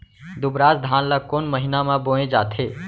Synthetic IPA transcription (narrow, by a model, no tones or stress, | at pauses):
d̪ubɾasd̪ʱaːnləkonməɦinamãbõẽd͡ʒat̪ʰe